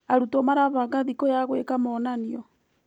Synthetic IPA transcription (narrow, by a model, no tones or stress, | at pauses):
aɾutɔmaɾaβaɡaðikɔjaɣwekamɔnaniɔ